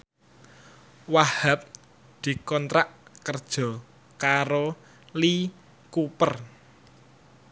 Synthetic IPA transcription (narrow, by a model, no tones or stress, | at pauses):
wahap̚ | d̪̥i̤kɔnt̪ɾaʔkərd̥ʒ̥ɔ̤ | kaɾo | li | kupər